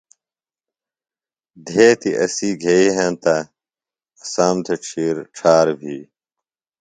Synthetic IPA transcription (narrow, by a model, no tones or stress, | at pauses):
d̪ʱeːt̪iʔɐsiːɡʱeiːɦãːnt̪a | saːmt̪ʰɐʈ͡ʂʰiːɾʈ͡ʂʰaːɾbʱiː